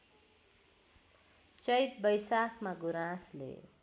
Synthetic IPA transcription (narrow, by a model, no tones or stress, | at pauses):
t͡sʌjt̪̚bʌjsakʰmaɡuɾãslḛ